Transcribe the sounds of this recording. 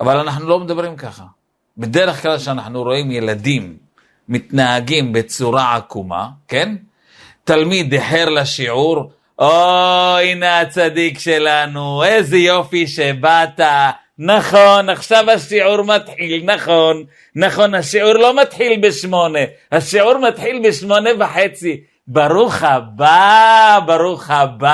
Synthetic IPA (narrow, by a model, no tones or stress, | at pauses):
ʔavalanaħnulo̞med̪abʁimkaχa | bed̪eɾeχklalʃeanaħnuɾo̞imje̞lad̪imː | it̪nahaɡimbet͡suɾaʕa̰kuma̰ke̞n | t̪almid̪eħeʁlaʃiʕuɾ | ʔoineat͡sad̪ikʃe̞lanuejzejo̞fiʃebat̪a | naχonaχʃavhaʃiʕuɾmat̪ħilnaχonː | aχo̞nhaʃiʕuʁlo̞mat̪ħilbeʃmo̞ne̞ | haʃiʕuɾmat̪ħilbeʃmo̞nevaħet͡si | baʁuχababaɾuχaba